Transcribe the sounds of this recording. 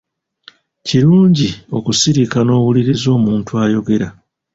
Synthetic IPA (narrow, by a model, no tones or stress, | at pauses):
ciɾuːɲɟio̞̰kusiɾikano̞ːwuliɾizo̞ːmuːntuaːjo̞ɡe̞ɾa